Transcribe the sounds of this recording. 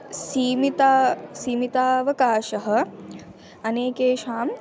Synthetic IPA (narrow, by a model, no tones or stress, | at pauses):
siːmit̪aːsiːmit̪aːʋɐkaːʃɐɦɐ̆ | ɐneːkeːʃaːm